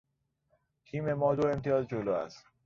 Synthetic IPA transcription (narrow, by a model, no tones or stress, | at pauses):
t̪ʰiːme̞mɒːd̪oe̞mt̪ʰijɒːzd͡ʒoloːæ̰st̪